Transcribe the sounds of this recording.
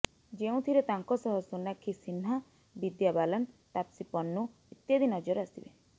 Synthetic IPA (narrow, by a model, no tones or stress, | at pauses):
d͡ʒeũt̪ʰiɾet̪aŋkɔsɔɦɔsunakʰːisinɦa | bid̪jabalɔnt̪apsipɔnːu | it̪jad̪inɔd͡ʒɔɾasibe